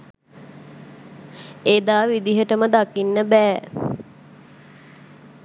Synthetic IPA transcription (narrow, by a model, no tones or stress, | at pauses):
eːd̪aːʋid̪iɦəʈəməd̪akinːəbɛː